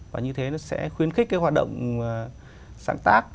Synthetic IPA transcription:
vaː˨˩ɲɨ˧t̪ʰe˨˦nɔ˨˦sɛ̰˧˥xwi˧ənxi˦˥k̚kːa˨˦jhwaː˨˩t̚ɗə̰˧˨wŋ͡m | za̰ː˧˩ŋt̪aː˦˥k̚

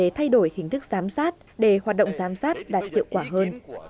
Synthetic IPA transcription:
e˨˦t̪ʰa˧jɗo˧˩jhï˨˩ŋ̟t̪ɨ˦˥k̚zaː˨˦msaː˦˥t̚ | ɗe˧˩waː˨˩t̚ɗə̰˧˨wŋ͡mzaː˨˦msaː˦˥t̚ɗaː˨˩t̚hḭ˧˨əwkwaː˧˩ɦəː˧n

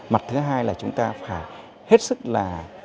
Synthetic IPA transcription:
ma˨˩t̚t̪ʰɨ˨˦ɦaː˧jlaː˨˩t͡ɕʊ˨˦ŋ͡mt̪aː˧faː˧˩j | he˦˥t̚sɨ˦˥k̚laː˨˩

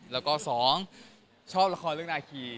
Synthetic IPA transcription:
lɛː˦˥wkɔː˥˩sɔː˩˦ŋ | t͡ɕʰɔː˥˩p̚la˧kʰɔː˧nlɯ˥˩k̚naː˧kʰiː˧

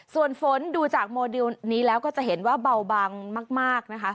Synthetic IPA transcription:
su˨˩ənfo˩˦nduː˧t͡ɕaː˨˩k̚moː˧di˧wniː˦˥lɛː˦˥wkɔː˥˩t͡ɕa˨˩ɦe˩˦nwaː˥˩ba˧wbaː˧ŋmaː˥˩k̚maː˥˩k̚na˦˥kʰa˦˥

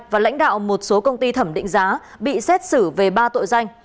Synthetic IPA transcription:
vaː˨˩la̰˧˥ŋ̟ɗa̰ː˧˨wmo˨˩t̚so˨˦kə˧wŋ͡mt̪i˧t̪ʰə˧˩mɗḭ˧˨ŋ̟zaː˨˦ | ɓḭ˧˨sɛ˦˥t̚sɨ˧˩ve˨˩ɓaː˧t̪o̰˧˨jza˧jŋ̟

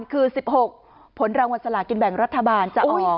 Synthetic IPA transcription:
nkʰɯː˧si˨˩p̚ho˨˩k̚ | pʰːo˩˦nɾaː˧ŋwa˧nsa˧la˨˩ki˧nbɛ˨˩ŋɾa˦˥t̪ʰːa˧baː˧nt͡ɕa˨˩ʔʔɔː˨˩

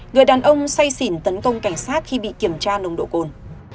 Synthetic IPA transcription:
ŋɨ˨˩əjɗaː˨˩nʔə˧wŋ͡msa˧jsi˧˩nt̪ə˨˦nkə˧wŋ͡mka˧˩jŋ̟saː˦˥t̚xi˧ɓḭ˧˨ki˧˩əmt͡ɕaː˧nə˧wŋ͡mɗo̰˧˨ko˨˩n

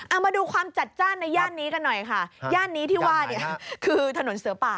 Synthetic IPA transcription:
ʔa˨˩maː˧duː˧kʰwaː˧mt͡ɕa˨˩t̪̚t͡ɕaː˥˩nːa˧jːaː˥˩nːiː˦˥ka˧nːɔ˨˩jkʰa˥˩jaː˥˩nːiː˦˥t̪ʰiː˥˩waː˥˩ni˥˩kʰɯː˧t̪ʰa˧no˩˦nsɯ˨˩˦ɐpaː˨˩

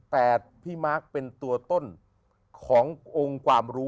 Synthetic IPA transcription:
pɛː˨˩t̪̚pʰiː˥˩maː˥˩k̚pe˧nt̪u˧ɐt̪o˥˩n | kʰɔː˩˦ŋʔo˧ŋkwaː˧mɾuː˦˥

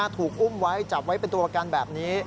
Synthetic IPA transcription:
a˧t̪ʰuː˨˩k̚ʔu˥˩mwa˦˥jt͡ɕa˨˩p̚wa˦˥jpe˧nt̪u˧ʔaː˧kaː˧nbɛː˨˩p̚niː˦˥

